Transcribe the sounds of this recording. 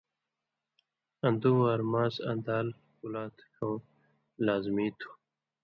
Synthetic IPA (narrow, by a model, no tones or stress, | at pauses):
ɐ̃nd̪uwaːɾmaːsɐ̰nd̪aːl | kulaːt̪ʰkʰow | laːzmiːt̪ʰu̥